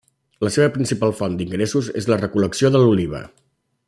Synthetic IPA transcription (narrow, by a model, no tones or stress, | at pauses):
ləseβəpɾinsipalˠfɔnd̪iŋɡɾesuzḛzlərəkuləksioðəluliβ̞ə̰